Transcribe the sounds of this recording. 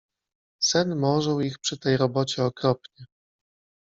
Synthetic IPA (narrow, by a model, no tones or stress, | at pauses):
sɛnmɔʐɛwixpʂɘt̪ɛjɾɔbɔt͡ɕɛɔkɾɔpɲɛ